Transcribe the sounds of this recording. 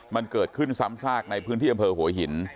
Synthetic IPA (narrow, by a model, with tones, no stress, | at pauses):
ma˧nkɤː˨˩t̪̚kʰɯ˥˩nsa˦˥msaː˥˩k̚na˧jpʰɯː˦˥nt̪ʰiː˥˩a˧mpʰɤː˧hu˩˦ɐɦi˨˩˦n